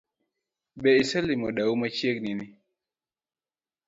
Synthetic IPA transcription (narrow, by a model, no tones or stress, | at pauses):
bɛisɛlimɔdaumat͡ʃjeknɪnɪ